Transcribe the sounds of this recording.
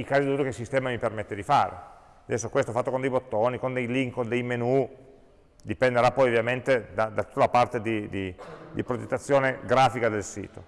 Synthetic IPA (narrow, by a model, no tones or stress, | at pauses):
ikaːzid̪uːɾokelsist̪ɛːmamipermet̪ːed̪ifaːɾḛ | ad̪ɛsːokwest̪ofat̪ːokond̪ejbot̪ːoːnikond̪ejliŋkond̪ejmenu | d̪ipend̪eɾapːɔjovjament̪ed̪ad̪at̪u̥t̪ːalapart̪ed̪id̪id̪ipɾod͡ʒet̪ːat̪sːjoːneɡɾaːfikad̪elsḭːt̪o